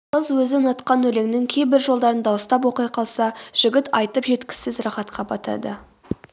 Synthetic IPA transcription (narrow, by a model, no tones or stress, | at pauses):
əzwɵzɪənɑt̪qɑnwɵle̞ŋnɪŋkʲʰe̞jbɪɾʒo̞lˠd̪ɑɾənd̪ɑwəst̪ɑpwo̞qijqʰɑlˠsɑʒ̥ɪɡʲɪt̪ɑjt̪əpʒe̞t̪kʲɪ̥zɪzrɑχɑt̪qʰɑbɑt̪ʰɑ̰d̪ə